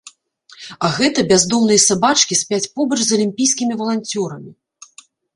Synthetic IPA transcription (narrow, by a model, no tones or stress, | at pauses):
ɐɣɛt̪ɐbʲazd̪ɔmnɨjɐsabat͡ʂkʲisʲpʲat͡sʲpɔbɐt͡ʂzɐlʲimʲpʲijskʲimʲivɐlˠant͡sʲɔɾɐmʲi